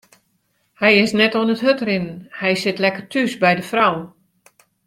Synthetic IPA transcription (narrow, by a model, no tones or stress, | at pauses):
hɛjɪsnɛtoənətɦøtrɪnnhɛjsɪtlɛkərtʰysbɛjdəfrawən